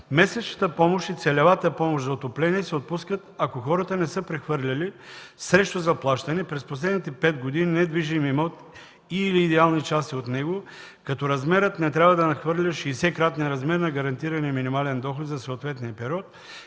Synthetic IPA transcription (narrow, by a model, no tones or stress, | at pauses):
mɛsɛt͡ʃnɐt̪əpɔmoʃt̪it̪sɛlɛvat̪əpɔmoʃzɐot̪oplɛniɛsɛot̪̚puskət̪akoxɔɾət̪ənɛsɤpɾɛxvɤɾlʲɐlisɾɛʃt̪ozɐplˠaʃt̪ɐnɛpɾɛsposlɛd̪nit̪ɛpɛt̪ɡod̪ininɛd̪viʒimimot̪ | iliːd̪ɛalˠnit͡ʃast̪iot̪nɛɡo | kɐt̪ɔɾɐzmɛɾət̪nɛt̪ɾʲabvɐd̪ɐnɐxvɤɾlʲɐʃisɛkɾat̪nɛnɾɐzmɛɾnɐɡɐɾɐnt̪iɾɐniminimalɛnd̪ɔxot̪zɐsoːt̪vɛt̪nijɐpɛɾʲiɔt̪